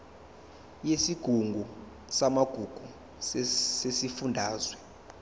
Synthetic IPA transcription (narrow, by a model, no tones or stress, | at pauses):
jesiɡ̥ʱuŋɡʱu | samaɡ̥ʱuɡ̥ʱu | ssesifundʱaːzwɛ